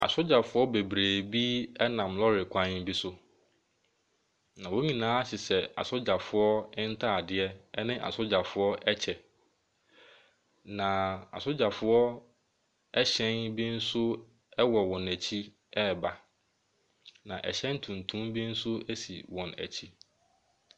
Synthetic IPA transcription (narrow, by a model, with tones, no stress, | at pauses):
a̰˨sʊ˦d͡ʑa˨fʊ˦ɔ˦be˨bɾeː˨bi˦ɛ˦nã˨mlɔ˦ɾɪ˨kʷʰã˦n˦bi˦sʊ˦ | nã˨wo˦ɲĩ˨nãː˨˦a˦ɕɪ˨sɛ˨a̰˨sʊ˦d͡ʑa˨fʊ˦ɔ˦ɪ˦n̩˦tʰa˦˨dɪ˦ɛ˦ɛ˦nɪ̃˦ʔa̰˨sʊ˦d͡ʑa˨fʊ˦ɔ˦ʔɛ˦t͡ɕʰɛ˨ | nã˨a̰˨sʊ˦d͡ʑa˨fʊ˦ɔ˦ | ɛ˦ɕɛ̃˦nbi˦n̩˦sʊ˦ | ɛ˦wɔ˨wɔ̃˨næ˨t͡ɕʰi˦ | ɛ˦˨ba˨ | nã˨ʔɛ̰˨ɕɛ̃˦n˦tʰũ˨ntʰũ˦mbi˦n̩˦sʊ˦æ˦sḭ˨wɔ̃˨næ̰˨t͡ɕʰi˦